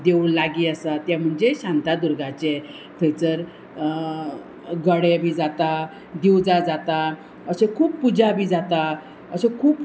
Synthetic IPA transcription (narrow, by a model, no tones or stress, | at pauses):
d̪eulaɡiːəsat̪jam̤əɳd͡zeɕãnt̪ad̪uɾɡat͡ɕe | t̪ʰəjt͡səɾ | ɡəɽebʱiːd͡zat̪a | d̪ewd͡zad͡zat̪a | əsẽkʰuːppud͡zabʱiːd͡zat̪a | əsekʰuːp